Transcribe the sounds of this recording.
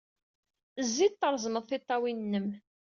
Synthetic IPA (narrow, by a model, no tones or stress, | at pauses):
zːid̪̚t̪ːəɾˤzˤməðˤθɪt̪ˤːɑwinnːəm